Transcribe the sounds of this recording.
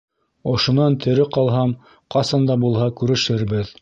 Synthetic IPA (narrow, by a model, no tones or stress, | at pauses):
ŏʃŏnɑnt̪ʰɘ̆ɾɘqɑlˠɦɑm | qɑsɑnd̪ɑbulˠɦɑkʉɾɘ̆ʃɘɾbɘð